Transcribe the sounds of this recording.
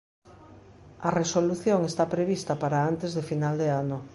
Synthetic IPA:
ɐresoluθjoŋest̪apɾeβ̞ist̪ɐpaɾaant̪ezðefinald̪eano

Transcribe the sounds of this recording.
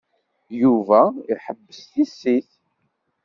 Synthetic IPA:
juvæiħəbːəsθisːiθ

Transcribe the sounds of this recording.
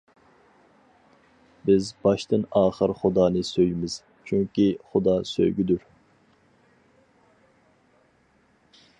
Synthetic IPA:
bɪzbɑʃt̪ɨnɑːχəɾχʊd̪ɑːnɨsøjmɪz̥ | t͡ʃʰyŋkʲiχʊd̪ɑsø̰jɡʲid̪uɾ

